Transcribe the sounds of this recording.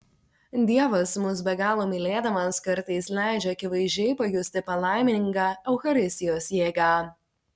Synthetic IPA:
d̪ʲiɛʋɐsmʊs̬bʲɛɡɑːlˠoːmʲɪlʲeːd̪ɐʋɐskɐɾt̪ɐɪslʲæˑɪd͡ʒʲɛɐkʲɪʋɐɪʒʲd͡ʒʲɛɪpɐjʊsʲt̪ʲɪpɐlˠɑˑɪmʲɪɪŋkɑːɛʊxɐɾʲɪsʲt̪ʲɪjoːsjeːɡɑː

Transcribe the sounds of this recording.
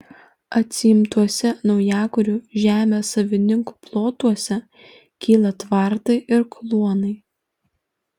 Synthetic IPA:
ɐt̪ʲsʲɪɪmt̪uɔsʲɛnɒʊjæːkʊɾʲuːʒʲæːmʲeːsɐʋʲɪnʲɪŋku̥plˠoːt̪uɔsʲɛ | kʲiːlˠɐt̪ʋɑˑɾt̪ɐɪʔɪɾklˠuɔnɐɪ

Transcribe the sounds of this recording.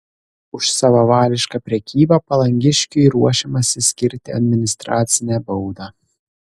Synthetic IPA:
ʊʃsɑʋɐʋɑːlʲɪʃkɑːpʲɾʲɛkʲiːbɐpɐlˠɐŋʲɡʲɪʃʲkʲʊiɾuɔʃʲɛmɐsʲɪsʲkʲɪɾʲt̪ʲɪɐ̰d̪ʲmʲɪnʲɪst̪ɾɑːt̪sʲɪnʲɛbɔʊd̪ɑː

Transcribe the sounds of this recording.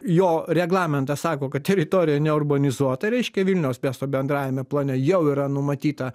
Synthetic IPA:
joːɾʲɛɡlˠɑːmʲɛnt̪ɐsɑːkoːkɐtt̪ʲɛɾʲɪt̪oːɾʲɪjɛnʲɛʊrbɐnʲɪzuɔt̪ɐɾʲɛɪʃʲkʲɛʋʲilʲnʲɛʊsmʲæst̪oːbʲɛnd̪ɾɑːjʲɛmʲɛplˠɐːnʲɛjɛʊiɾɐnʊmɐt̪ʲiːt̪ɐ

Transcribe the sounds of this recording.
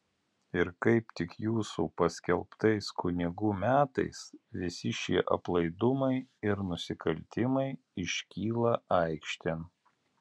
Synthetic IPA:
ɪɾkɐɪpt̪ʲɪkjuːsuːpɐsʲkʲɛlˠpt̪ɐɪskʊnʲɪɡuːmʲæːt̪ɐ̰ɪsʋʲɪsʲɪʃʲiɛʔɐ̰plˠɐɪd̪ʊmɐɪɪɾnʊsʲɪkʰɐlʲt̪ʲɪmɐɪ | ɪʃʲkʲiːlˠɐɑɪkʃʲt̪ʲen

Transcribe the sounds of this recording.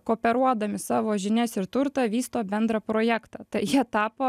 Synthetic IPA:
koːpʲɛɾuɔd̪ɐmʲɪsɑːʋoːʒʲɪnʲɛsɪɾt̪ʊɾt̪ɐʋʲiːst̪oːbʲɛnd̪ɾɐpɾoːjæːkt̪ɑt̪ɐɪjiɛt̪ɑːpoː

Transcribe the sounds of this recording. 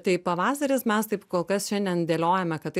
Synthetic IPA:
t̪ɐɪpɐʋɑːsɐɾʲɪsmʲɛst̪ɐɪpkoːlˠkɐsʃʲɛnd̪ʲɛnd̪ʲeːlʲoːjɛmʲɛkɐt̪t̪

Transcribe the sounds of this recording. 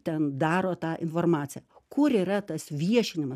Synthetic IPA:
t̪ʲɛnd̪ɑːɾoːt̪ɑːʔɪnfoːrmɑːt͡s̪ʲɪjɛkʊɾiːɾɐt̪ɐsʋʲiɛʃʲɪnʲɪmɐ

